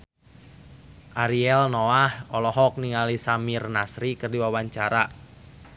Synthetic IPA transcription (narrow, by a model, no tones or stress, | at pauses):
ʔaɾiɛlnoahɔlɔɦɔk̚niŋalisamirnasɾikərdiwawaɲt͡ʃaɾa